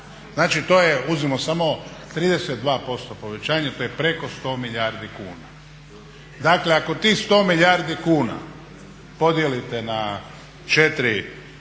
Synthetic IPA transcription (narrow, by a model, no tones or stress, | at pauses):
znaːt͡ʃit̪o̞jeuzimosamo̞t̪ɾiːd̪eset̪̚d̪ʋaːpo̞st̪o̞po̞ʋe̞t͡ɕaːɲat̪oːjepɾe̞ko̞st̪o̞ːmiʎaːɾd̪ikuːna | d̪akle̞ako̞t̪ist̪o̞ːmiʎaːɾd̪ikuːna̰ | po̞d̪jelit̪e̞na | t͡ʃet̪ɾi